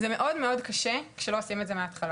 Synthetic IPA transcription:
zemeʔo̞dmeo̞dkaʃekʃelo̞osimetzemeat̪χal

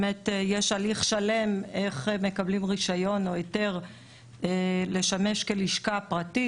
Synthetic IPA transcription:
metjeʃaliχʃale̞meχme̞kablimʁiʃajo̞nojote̞ʁ | ele̞ʃame̞ʃkeliʃkapʁati

